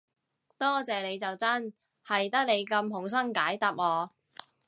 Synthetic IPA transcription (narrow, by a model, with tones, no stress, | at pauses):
t̪ɔː˥t͡sɛː˨ne˨˧jt͡sɐ˨wt͡sɐ˥n | hɐ˨jt̪ɐ˥k̚le˨˧jkɐ˧mhʊ˨˩ŋs̬ɐ˥ŋkaː˨˥jt̪ɐ˨p̚ŋɔː˨˧